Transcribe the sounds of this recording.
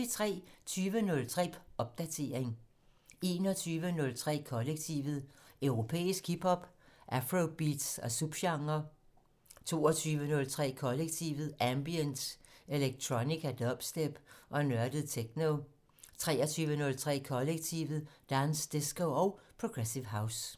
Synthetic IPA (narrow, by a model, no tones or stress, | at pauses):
it͡sʰʁɛ̰ːt͡sʰyːʋənɔ̽lt͡sʰʁɛ̰̥ːʔɒ̽b̥̚d̥æt͡sʰe̝ɐeŋ | e̝ːnɒt͡sʰyːʋənɔ̽lt͡sʰʁɛ̰ːkʰɒ̽leɡ̥̚t͡sʰiʋð̩ˠøʊʁo̝pʰḛːisɡ̥ʰhib̥hɒ̽b̥ʔæfʁob̥id̥sɒ̽sub̥ɕɑ̈ŋɐ | t͡sʰo̝̰ːɒt͡sʰyːʋənɔ̽lt͡sʰʁɛ̰ːkʰɒ̽leɡ̥̚t͡sʰiʋð̩ˠæmb̥ijənde̝leɡ̥̚t͡sʰʁoniɡ̥æd̥ɒb̥sd̥eb̥ʔɒ̽nɶɐd̥əð̩ˠt͡sʰeɡ̥no | t͡sʰʁɛ̰ːɒt͡sʰyːʋənɔ̽lt͡sʰʁɛ̰ːkʰɒ̽leɡ̥̚t͡sʰiʋð̩ˠd̥ænsd̥e̝sɡ̥oɒ̽ʊpʰʁoɡ̥ʁesiʋɦäʊs